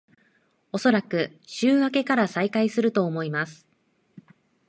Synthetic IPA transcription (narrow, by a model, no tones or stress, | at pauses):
o̞so̞ɾakɯ̟ | ɕɨːβake̞kaɾasaikaisɨɾɯ̟t̪o̞ːmo̞imasɨ̥